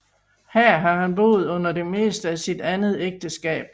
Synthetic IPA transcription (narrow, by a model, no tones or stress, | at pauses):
hæɐ̰ɦɑ̈hænb̥o̝̰ːð̞̩ˠɔ̽n̰ɐde̝me̝̰ːsd̥əæsid̥ænð̞̩ˠeɡ̥̚d̥əsɡ̥ɛ̰ːb̥